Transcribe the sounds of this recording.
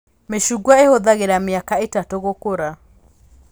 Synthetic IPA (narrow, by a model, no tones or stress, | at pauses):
meʃuɡwaehoðaɣeɾameakaetatoɣokoɾa